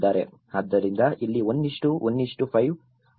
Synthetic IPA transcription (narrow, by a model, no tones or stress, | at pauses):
d̪aːɾe̞̰ | ɐd̪ːɐɾind̪ɐʔilːiond̪iʂʈuʔonːiʂʈupʰɐjʋ